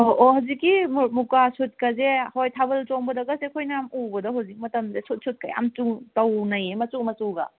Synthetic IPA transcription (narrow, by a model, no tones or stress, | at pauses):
oʔohawzikːimmukasut̚kɐzehojtʰabɐltoŋbɐdɐɡɐsekʰojnamubɐdɐɦawzik̚mɐtɐmzesut̚sʰut̚kɐja̰mt͡ʃuŋtɐwnɐjemɐsumɐsuɡɐ̰